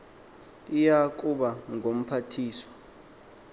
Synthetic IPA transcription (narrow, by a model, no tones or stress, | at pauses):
ijak̬ʼuɓaŋɡʱom̩pʰatʰiːswɔ̥